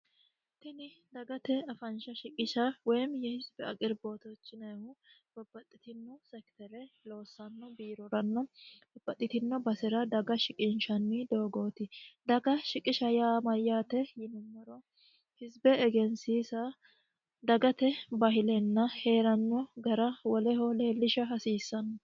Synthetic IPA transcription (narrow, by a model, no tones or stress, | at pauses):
t̪ɪnɪd̪ɐɡɐt̪ɛɐfɐnʃɐʃɪkʼɪʃɐwɛjmjɛhɪzbɛɐkʼɪɾbo̞ːt̪ɔt͡ʃːɪnɐhʊ | b̥ɔbːɐt̪ʼːɪt̪ɪnːɔsɛkt̪ɛlɛlo̞ːsːɐnːɔbiːɾɔɾɐnːɔbɔbːɐt̪ʼːɪt̪ɪnːɔbɐsɪɾɐd̪ɐɡɐʃɪkʼɪnʃɐnːɪd̪o̞ːɡoːt̪ɪd̪ɐɡɐʃɪkʼɪʃɐjaːmɐjːaːt̪ɛjɪnɪmːɔɾɔ | hɪzbɛːɡɛnsiːsɐ | d̪ɐɡɐt̪ɛbɐɦɪlɛnːɐhe̞ːɾɐnːɔɡɐɾɐwɔlɛhɔle̞ːlːɪʃɐɦɐsiːsːɐnːɔ